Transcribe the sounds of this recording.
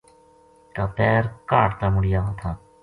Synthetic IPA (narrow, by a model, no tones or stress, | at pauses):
k̪aːpɛːɾkaːʈt̪aːmʊɽɪjaːaːt̪ʰãː